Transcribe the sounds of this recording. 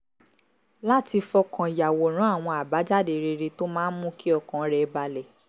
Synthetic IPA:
la˦ti˧fɔ˧kã˨i˨ja˨wo˨ɾ̃ũ˨˦a˦˨w̃ɔ̃˧a˨ba˨˦d͡ʒa˦˨de˧ɾe˧ɾe˧to˦mãː˦mũ˦ki˦ɔ˧kã˨˦ɾɛ˨˧ba˧lɛ˨

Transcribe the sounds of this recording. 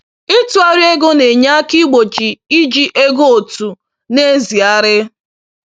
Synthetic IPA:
ɪ˦tu˨˦a˨ɾi˦e˦ɡo˦ne˨ɲa˦ki˦ɡ͡bo˨t͡ʃi˨i˦d͡ʒi˦ʔe˦ɡo˦o˨tu˨ | ne˦zi˨a˦ɾɪ˦

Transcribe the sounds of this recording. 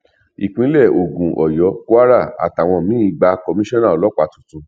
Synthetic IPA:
i˨k͡pĩ˨˦lɛ˦˨ʔo˨ɡũ˨ʔɔ˨jɔ˨˦ku˦a˦ɾa˦˨a̰˨ta˨w̃ɔ̃˧mĩ˨˦i˦˧˨ɡ͡ba˧kɔ˧mĩ˦ʃɔ̃˦nã˦˨lɔ˨˦k͡pa˨tũ̥˨tũ˨˧

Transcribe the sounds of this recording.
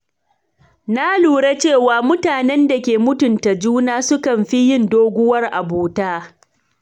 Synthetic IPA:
na˦luː˨ɽe˦t͡ʃeː˦˨waː˨mʊ˦taː˨nɛ˦nda˨kʲeː˨mʊ˦tʊ˨nta˨d͡ʒuː˦naː˦sʊ˦kɐ˨mɸi˦jɪ˦ndoː˦ɡʷʊ˦wɐ˦rʔa˨boː˨taː˦

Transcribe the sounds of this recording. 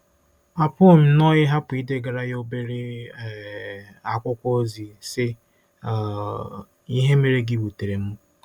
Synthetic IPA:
a˨pʊ˦˨ɲ̩˦nɔ˦ɣɪ˦ɦa˦pʊ˨i˦de˦ɡa˨ɾa˦jo˦be˦ɾe˦˨ | a˨kʷʊ˦kʷo˦o˦zi˨sɪ˦˨ | i˦ɦe˦me˨ɾe˦ɡi˦bu˨te˨ɾe˨m̩˦

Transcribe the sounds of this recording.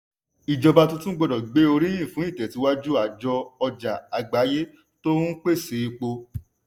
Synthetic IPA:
i˨d͡ʒɔ˧ba˧tũ˧tũ˦ɡ͡bɔ˧dɔ˨ɡ͡be˨˦o˧ɾĩ˦j̃ĩ˦˨fũ˨˦i˦˨tɛ˨ti˨˧˦wa˦d͡ʒu˦a˨d͡ʒɔ˧ɔ˧d͡ʒa˨a˨ɡ͡ba˨˦je˦ | to˦ũ˦k͡pe˦˨se˨˧i˧k͡po˧

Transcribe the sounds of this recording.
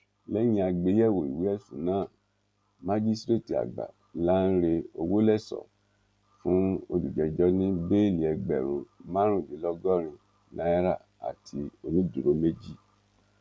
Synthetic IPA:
lɛ˦j̃ĩ˧˦a˧ɡ͡be˨˦jɛ˦˨wo˨ḭ˨wi˨˦ɛ˦˨sṵ̃˨˦nã˦˨ | mã˦d͡ʒi˦stɾe˦˨ti˨a̰˨ɡ͡ba̰˨ | la˦n̩˦ɾe˧o˧wo˦lɛ˦˨sɔ̰˨ | fũ˦o˧lu˨d͡ʒɛ˨˧d͡ʒɔ˦nĩ˦be˦˨li˨ɛ˧ɡ͡bɛ˨ɾ̃ũ˨mã˦ɾ̃ũ˦˨li˨˦lɔ˦ɡɔ˦ɾ̃ĩ˧ | nã˦ɛ˦ɾa˦˨ | a̰˨tʰi˧o˧nĩ˦du˨ɾo˨˦me˦d͡ʒi˦˨

